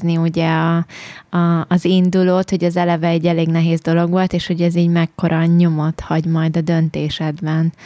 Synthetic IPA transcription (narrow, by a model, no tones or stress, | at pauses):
niuɟɛɒɒːzind̪uloːt̪ho̞ɟɒzɛlɛvɛɛɟːɛleːɡnɛɦeːzd̪o̞lo̞ɡʋo̞lt̪eːʃho̞ɟɛziːɟmɛkːo̞ɾʔɒɲo̞mo̞t̪hɒɟmɒjd̪ɒd̪ø̞nt̪eːʃɛd̪bɛn